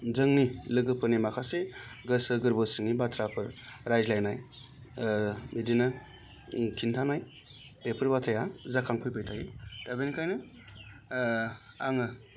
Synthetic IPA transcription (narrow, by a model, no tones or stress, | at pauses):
zɯŋnilɯɡɯpʰɯnimakʰaseɡɯsɯɡɯɾbɯsɯŋibatʰɾapʰɯɾɾajzlajnaj | midinɐ | kʰintʰanaj | pepʰɯɾbatʰajazakʰaŋpʰɯjpʰɯjtʰaɡed̥abenkʰajnɯ | aŋɯ